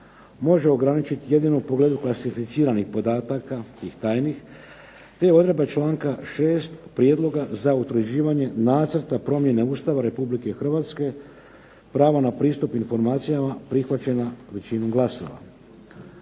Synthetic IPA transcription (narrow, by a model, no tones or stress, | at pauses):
mo̞ʒe̞o̞ɡɾanit͡ʃit̪ije̞d̪inoupoɡle̞ːd̪uklˠasifit̪siːɾanixpo̞d̪aːt̪akat̪iːxt̪aːjnix | t̪e̞jeo̞d̪ɾebat͡ʃlaːŋkaʃe̞ːst̪pɾije̞d̪lˠo̞ɡazaut̪ɾud͡ʑiːʋaɲe̞naːt̪sr̩t̪apɾo̞mje̞ne̞uːst̪aʋaɾe̞publikexr̩ʋat̪ske̞ | pɾaːʋonapɾiːst̪upinfo̞ɾmaːt̪sijamapɾixʋat͡ɕe̞naʋe̞t͡ɕinuɡlˠaso̞̰ʋa̰